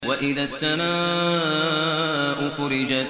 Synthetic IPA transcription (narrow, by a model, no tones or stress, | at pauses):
waʔɪðaːsːamaː | ʔʊxʊɾɪd͡ʒat̪